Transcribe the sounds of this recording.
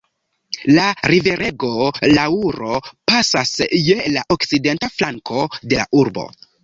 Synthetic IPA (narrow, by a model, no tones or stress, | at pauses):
laɾive̞ɾe̞ɡo̞lauɾo̞pasasjelaʔokside̞ntaflaŋkʰo̞de̞la̰ʔuɾbo̞̰